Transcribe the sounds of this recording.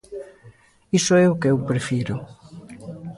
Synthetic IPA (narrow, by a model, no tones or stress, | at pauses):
isoɛʊkeewpɾefiɾʊ